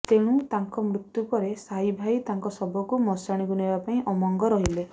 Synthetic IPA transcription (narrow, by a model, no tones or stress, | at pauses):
t̪eɽ̃ũt̪aŋkɔmɾut̪jupɔɾesajbʱajt̪aŋkɔsɔbɔkumɔsaɽ̃ikunebapaĩʔɔmɔŋɡɔɾɔɦile